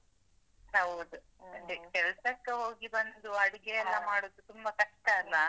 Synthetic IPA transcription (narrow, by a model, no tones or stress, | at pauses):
ɦɐwd̪u | kɛlsɐkːeɦoːɡibɐnd̪uɐɽiɡejɐlːɐmaːɽoːd̪ut̪umbɐkɐʂʈɐɐlːɐ